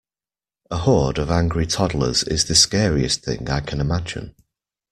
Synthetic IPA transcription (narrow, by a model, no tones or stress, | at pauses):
əhɔːdəvãŋɡɹitʰɒdl̩ˠə̰z̥ɪ̰zðəskɛːɹiɪ̰sθɪ̰̃ŋa̰ɪkʰə̃nɪmad͡ʒɪ̰̃n